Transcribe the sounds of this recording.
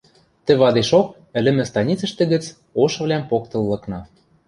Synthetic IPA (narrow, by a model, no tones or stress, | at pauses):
t̪ɘ̆βɑd̪eʃok̚ | ɘ̆lʲɘ̆mɘ̆st̪ɑnʲit͡sɤ̆ʃt̪ɘ̆ɣɘ̆t͡s | oʃɤ̆βlʲæmpok̚t̪ɤ̆lːɤ̆knɑ